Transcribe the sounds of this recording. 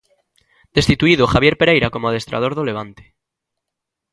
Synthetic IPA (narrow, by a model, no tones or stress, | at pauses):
d̪̥e̞st̪it̪uiðoxaβje̞ɾpeɾejɾako̞moaðe̞st̪ɾʔa̰ð̞o̞ɾðole̞β̞ant̪e̥